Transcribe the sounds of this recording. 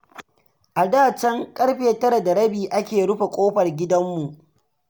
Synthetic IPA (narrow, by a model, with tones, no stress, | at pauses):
ʔa˨daː˦˨t͡ʃɐ˦ŋkʼɐ˦ɽɸeː˨tɐ˦ɾɐ˨da˨ɾɐ˦biː˨ʔa˦kʲeː˨ɽʊ˦ɸe˨kʷʼoː˦ɸɐ˨rɡʲɪ˦dɐ˦mːu˨ʔ